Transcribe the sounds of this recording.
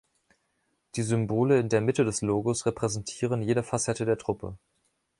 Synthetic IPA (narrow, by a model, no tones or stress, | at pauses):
d̥iːzʏmboːləɪndeːɐmɪtədɛsloːɡosʁepʁ̥ɛzɛntʰiːʁ̞ənjeːdəfasɛtədeːɐtʁ̥ʊpʰə̰